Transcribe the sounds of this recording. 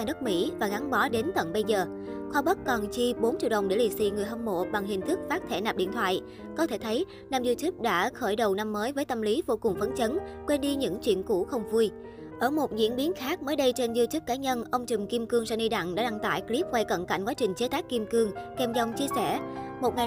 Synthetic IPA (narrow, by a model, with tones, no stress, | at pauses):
aː˧˩ɗə˦˥t̚mḭ˧˥vaː˨˩ɣa˨˦ŋɓɔ˨˦ɗe˨˦nt̪ə˧˨nɓə˧jzəː˨˩ | xwaː˨˧˦ɓə˦˥t̚kɔ˨˩nt͡ɕi˧ɓo˨˦nt͡ɕḭ˧˨əwɗə˨˩wŋ͡mɗe˧˩li˨˩sḭ˧ŋɨ˨˩əjɦɔ˧mːo̰˧˨ɓa˨˩ŋɦï˨˩ŋ̟t̪ʰɨ˦˥k̚faː˦˥t̚t̪ʰɛ˧˩naː˨˩p̚ɗḭ˧˨ənt̪ʰwa̰ː˧˨j | kɔ˨˦t̪ʰe˧˩t̪ʰə˨˦j | naː˧mzɨ˧t͡ɕi˦˥p̚ɗa̰ː˧˥xəː˧˩jɗə˨˩wna˧mːəː˨˦jvəː˨˦jt̪ə˧mli˨˦vo˧kʊ˨˩ŋ͡mfə˨˦nt͡ɕə˨˦nkwe˧nɗi˧ɲɨ̰˧˥ŋt͡ɕwḭ˧˨ənku˧˩xə˧wŋ͡mvu˧j | ʔəː˧˩mo˨˩t̚zwḭ˧˥ənɓi˨˦ənxaː˦˥k̚məː˨˦jɗə˧jt͡ɕe˧nzɨ˧t͡ɕɨ˦˥p̚kaː˨˦ɲə˧nʔə˧wŋ͡mt͡ɕɨ˨˩mki˧mkɨ˧əŋsa̰˧˥ni˧ɗa̰˧˨ŋɗa̰ː˧˥ɗa˧ŋt̪a̰ː˧˩jkli˦˥p̚kwa˧˩jkə̰˧˨nka̰˧˩jŋ̟kwaː˨˦t͡ɕï˨˩ŋ̟t͡ɕe˨˦t̪aː˦˥kki˧mkɨ˧əŋkɛ˧mzɔ˧wŋ͡mt͡ɕi˧əsɛ˧˩mo˨˩t̚ŋa˨˩